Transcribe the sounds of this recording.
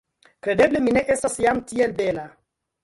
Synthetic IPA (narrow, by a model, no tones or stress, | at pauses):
kɾe̞de̞blemine̞ʔe̞stasjamtielbela